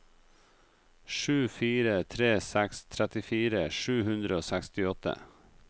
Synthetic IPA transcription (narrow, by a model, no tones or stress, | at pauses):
ʃʉːfiːɾət̪ʰɾeːsækst̪ʰɾɛt̪ɪfiːɾəʃʉːhʉnd̪ɾəoːsækst̪ɪɔt̪ʰə̰